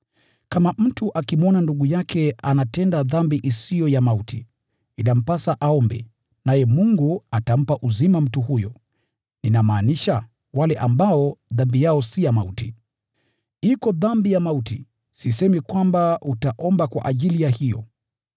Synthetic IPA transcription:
kamam̩tuʔakimɔnanduɠujakʰɛanatɛndaðambiʔisijɔjamautʰi | inam̩pasaʔaɔmbɛ̰ | najɛmuŋɡuatam̩paʔuzimam̩tuhujɔ | ninamaːniʃa | walɛʔambaɔðambijaɔsijamauti | ikɔðambijamautḭ | sis̬ɛmikwambautaʔɔmbakwa̰ʔaʄilijahijɔ̰

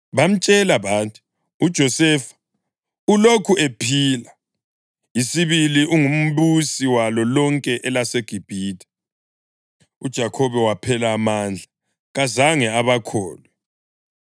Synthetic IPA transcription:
βam̩t͡ʃʼɛlaβaːntʼu̥ | ud̥ʒ̥ʱɔsɛfḁ | ulokʰuʔepʰiːla | isiβiliʔuŋum̩βusiwalɔlɔŋkʼɛʔɛlaseɡ̥ʱib̥ʱiːtʰʼḁ | ud̥ʒ̥ʱakʰɔβɛwapʰɛlaːmand͡ɮʱa | ɣazaŋɛaβakʰɔːlwɛ

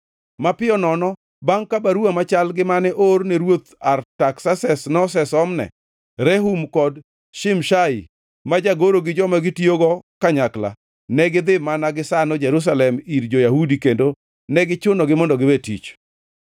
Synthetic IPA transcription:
mapɪɔnɔnɔ | baŋkabaɾuamat͡ʃalɡɪmanɛʔorneɾwot̪artaksasɛsnɔs̬ɛsɔmnɛ̰ | ɾɛɦumkɔd | ʃɪmʃaḭ | mad͡ʒaɡoɾoɡɪd͡ʒɔmaɡɪtioɡɔkaɲakla̰ | nɛɡɪd̪ɪmanaɡɪsanɔd͡ʒɛɾus̬alɛmiɾd͡ʒojahudikendo | nɛɡɪt͡ʃʊnɔɡɪmɔndɔɡɪbetḭt͡ʃ

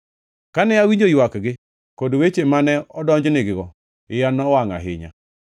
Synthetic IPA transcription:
kanɛawiɲd͡ʒojwakɡɪ | kodwet͡ʃemanɛɔdɔɲd͡ʒnɪɡɪɣɔ | ɪjanɔwaŋa̰ɦɪ̰ɲa̰

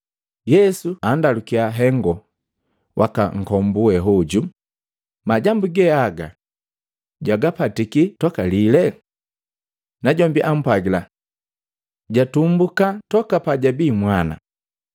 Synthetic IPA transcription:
jɛsuandalukiaɦɛŋɡɔ | wʔa̰kaŋ̩kɔmbuɛɦɔɟu | maɟambuɡɛaɡa | ɟwaɡapatikitɔkalilɛ | naɟɔmbiʔam̩pwaɡila | ɟatumbukatɔkapaɟabimwana̰

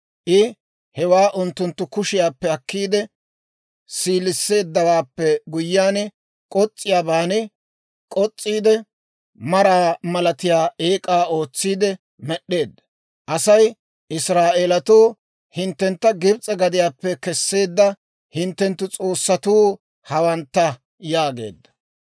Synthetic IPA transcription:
ʔɪ | hɛwaːʔʊnt̪ːʊnt̪ːʊkʊʃɪjaːpːɛɐkːiːd̪ɛ | siːlɪsːe̞ːd̪ːɐwaːpːɛɡʊjːaːn | kʼɔt͡sʼːɪjaːbaːnɪ | kʼɔt͡sʼːiːd̪ɛ | mɐɾaːmɐlɐt̪ɪjaːʔeːkʼaːo̞ːt͡sːiːd̪ɛ | mɛɗːe̞ːd̪ːɐ | ʔɐsɐj | ʔɪsɾaːʔeːlɐt̪oː | hɪnt̪ːɛnt̪ːɐɡɪbt͡sʼɛɡɐd̪ɪjaːpːɛkɛsːe̞ːd̪ːɐ | hɪnt̪ːɛnt̪ːʊt͡sʼo̞ːsːɐt̪uː | hɐwɐnt̪ːɐ | jaːɡe̞̰ːd̪ːɐ̥

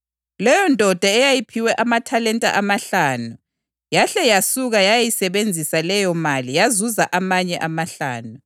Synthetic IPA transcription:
lɛjɔndʱɔd̥ʱaɛjajipʰiwɛʔamatʰalɛntʼa̰ʔamaɬaːnu | jaɬɛjasuɣajajisɛβend͡zʱisalɛjɔmalijazuzaʔamaɲɛʔamaɬa̰ːnu

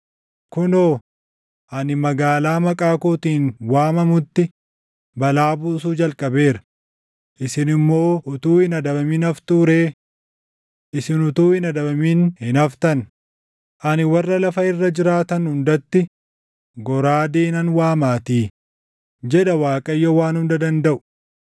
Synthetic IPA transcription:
kʊnoː | ʔɐnɪmɐɡaːlaːmɐkʼaːkoːt̪iːnwaːmɐmʊt̪ːɪ | bɐlaːbuːsuːd͡ʒɐlkʼɐbe̞ːɾɐ̥ | ʔɪsɪnɪmːo̞ːʔʊt̪uːhɪnɐd̪ɐbɐmɪnɐft̪uːɾeː | ʔɪsɪnʊt̪uːhɪnɐd̪ɐbɐmiːnhɪnɐft̪ɐn | ʔɐnɪwɐrːɐlɐfɐɪrːɐd͡ʒɪɾaːt̪ɐnhʊnd̪ɐt̪ːɪ | ɡɔɾaːd̪eːnɐnwaːmaːt̪iː | d͡ʒɛᶑɐwaːkʼɐjːowaːnhʊnd̪ɐd̪ɐnd̪ɐʔʊ̥

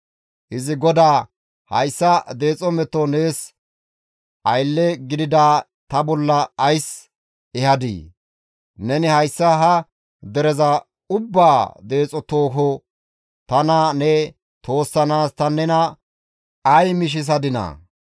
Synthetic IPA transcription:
ʔɪzɪɡɔd̪aː | hɐ̰jsːɐd̪e̞ːt͡sʼɔmɛt̪ːɔneːs | ʔɐjlːɛɡɪd̪ɪd̪aː | t̪ɐbɔlːɐɐjs | ɛhɐd̪ḭː | nɛnɪhɐjsːɐɦɐ | d̪ɛɾɛzɐ | ʊbːaːd̪e̞ːt͡sʼɔt̪oːɦɔ | t̪ɐnɐnɛ | t̪o̞ːsːɐnaːst̪ɐnɛnɐ | ɐjmɪʃ̬ɪs̬ɐd̪ɪnɐ̰

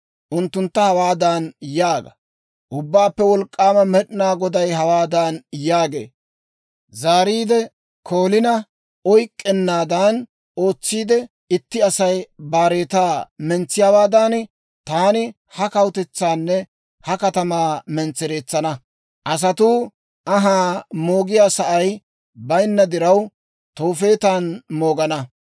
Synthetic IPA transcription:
ʔʊnt̪ːʊnt̪ːɐhɐwaːd̪aːnjaːɡɐ | ʔʊbːaːpːɛwɔlkʼːaːmɐmɛɗɪnaːɡɔd̪ɐjɦɐwaːd̪aːnjaːɡe̞̰ː | zaːɾiːd̪ɛ | kʰoːlɪnɐ | ɔjkʼːɛnːaːd̪an | o̞ːt͡sːiːd̪ɛ | ɪt̪ːɪɐsɐjbaːɾe̞ːt̪aːmɛnt͡sːɪjaːwaːd̪aːn | t̪aːnɪ | hɐkɐwt̪ɛt͡sːaːnːɛ | hɐkɐt̪ɐmaːmɛnt͡sːɛɾe̞ːt͡sːɐnɐ | ʔɐs̬ɐt̪uː | ʔɐɦaːmo̞ːɡɪjaːsɐʔɐj | bɐjnːɐd̪ɪɾɐw | t̪oːfe̞ːt̪aːnmo̞ːɡɐnɐ

